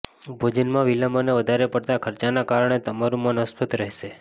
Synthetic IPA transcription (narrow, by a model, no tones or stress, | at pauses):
bʱod͡ʒənmãʋilaməneʋəd̪ʱaɾepəɽt̪akʰəɾt͡ʃanakaɾəɳ̃et̪əmaɾũmanəspʰət̪ɾəɦeʃe